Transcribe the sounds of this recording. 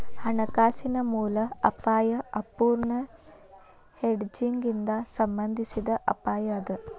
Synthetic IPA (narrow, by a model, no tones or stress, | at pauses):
hɐɳɐkaːsinɐmuːlɐɐpaːjɐɐpuːɾɳɐ | heɖd͡ʒiŋɡind̪asɐmbɐnd̪ʱisid̪ɐʔɐ̰paːjɐːd̪ə